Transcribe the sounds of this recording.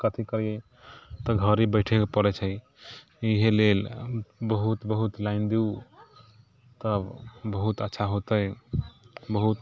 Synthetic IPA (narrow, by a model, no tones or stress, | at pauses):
kət̪ʰikəɾije | t̪ɔɡʱəɾibəɪʈʰekepəɾɛt͡ʃʰəj | iɦelelbəɦut̪bəɦut̪laɪnd̪iu | t̪əbbəɦut̪ətːʃʰaɦot̪əj | bəɦut̪